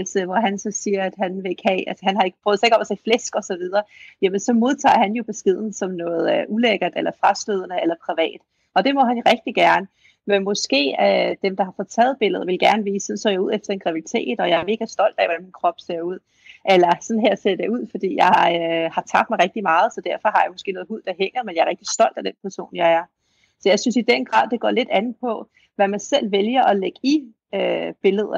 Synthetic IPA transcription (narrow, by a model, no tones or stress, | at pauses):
lseʋɒɦænsɒ̽siːɐæd̥hænʋe̝e̝ɡ̥hæʔælsəhænhɑ̈e̝ɡ̥əpʰʁœːðˠsɑ̈eɡ̥ɒ̽mæseɪflesɡ̥ɒ̽sɒ̽ʋið̞ˠɐːjæmənsɒ̽mo̝ðˠt͡sʰɑ̰̈ːhænjo̝b̥e̝sɡ̥e̝ð̞̰ˠn̩sɒ̽mnɔ̽ːð̞̩ˠʔuleɡ̥ɐd̥elɐfʁɑ̈sd̥øð̞̰ˠənəelɐpʰʁiʋɛ̰ːd̥ | ʔɒ̽d̥e̝mɒ̽ɦænʁɛɡ̥̚d̥iɡ̥æɐnə | menmɔ̽sɡ̥e̝̰ːød̥emd̥ɑ̈hɑ̈fɔ̽ð̩ˠt͡sʰɛːð̞̩ˠb̥e̝l̰əð̩ˠʋe̝lɡ̥æɐnəʋiːssɒnsɒ̰ːjɑ̈uð̞̰ˠefd̥ɐe̝nɡ̥ʁɑ̈ʋid̥i̥t͡sʰe̝̰ːd̥ɒ̽jɑ̈ɪæɐme̝ːɡ̥æsd̥ɒ̽l̰d̥ɛ̰ʋɒd̥ænminkʰʁɒ̽b̥se̝ɐuð̞̰ˠ | ʔælɐsɒ̽n̩ɦeɐ̰se̝ɐd̥euð̞̰ˠfɒ̽d̥ḭːjɑ̈ɪhɑ̈t͡sʰɑ̈ɡ̥̚d̥mɑ̈ɪʁɛɡ̥̚d̥imɑ̈ːð̞̩ˠsɒ̽d̥æɐfɒ̽ɦɑ̈jɑ̈ɪmɒ̽sɡ̥e̝̰ːnɔ̽ð̩ˠuð̞̰ˠd̥ɑ̈ɦeŋ̰ɐmenjɑ̈æɐʁɛɡ̥d̥isd̥ɒ̽l̰d̥æd̥enpʰæɐso̝̰ːnjɑ̈ɪæɐ | sɒ̽jɑ̈ɪsynsid̥enɡ̥ʁɑ̰̈ːð̰ˠd̥e̝ɡ̥ɒ̰ːle̝d̥ænð̩ˠpʰɒ̽ | ʋæmænsel̰ʋeljɐʔɒ̽leɡ̥i | øb̥e̝ləð̞ˠ